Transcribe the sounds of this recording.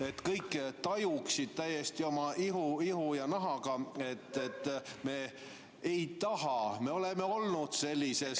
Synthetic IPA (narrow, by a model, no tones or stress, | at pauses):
e̞t̪ːkɤjkːˑt̪ɑjuksid̪̥̚t̪æje̞st̪io̞mɑʔiɦuiɦujɑnɑɦɑɡ̥ɑe̞t̪ːˑet̪ːme̞ː | ejt̪ɑɦɑme̞o̞le̞me̞o̞lnud̪̥se̞lʲːise̞s